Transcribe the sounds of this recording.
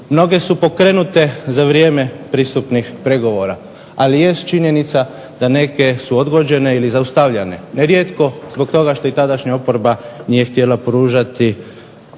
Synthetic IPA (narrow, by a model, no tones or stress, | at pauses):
mno̞ɡe̞supo̞kɾenut̪e̞zaʋɾjeːme̞pɾist̪upnixpɾe̞ɡo̞ʋo̞ɾa | alije̞st̪̚t͡ʃiɲje̞nit̪sa | d̪̥ane̞ke̞suo̞d̪ɡo̞d͡ʒe̞ne̞ilizaust̪aʋʎaneneɾjeːt̪ko̞zbo̞kt̪o̞ɡaʃt̪o̞it̪ad̪aʃɲaopoɾbanijext̪je̞lapɾuːʒat̪i